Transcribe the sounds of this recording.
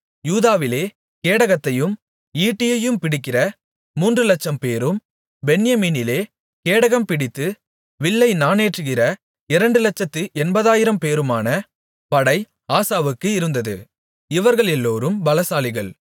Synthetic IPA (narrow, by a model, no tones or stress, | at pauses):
juːðaːʋɪleː | keːɽɐɣɐt̪ːɐjɯm | iːʈːɪjɐjɯmpɪɽɪkːɪrɐ | muːndrɯlɐt͡ʃːɐmpeːɾɯm | bɛnɪjɐmiːnɪleː | keːɽɐɣɐmpɪɽɪt̪ːɯ | ʋɪɭːɐɪnaːneːʈrɯɣɪɾɐ | ɪɾɐɳɖɯlɐt͡ʃːɐt̪ːɯʔɛnbɐðaːjɪɾɐmpeːɾɯmaːnɐ | pɐɽɐɪ | aːsaːʋɯkːɯɪɾɯnd̪ɐðɯ̰ | ɪʋɐɾɣɐɭɛlːoːɾɯmbɐlɐsaːlɪɣɐɭ